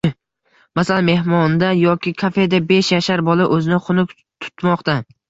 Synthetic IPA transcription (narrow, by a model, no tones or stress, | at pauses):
masalanme̞hmɒnd̪ajɒkʲɪkʰafe̞d̪abe̞ʃjaʃaɾbɒlˠaʔɵzɪnɪχʊnʊkʲ | t̪ʰʊ̥t̪mɒqt̪a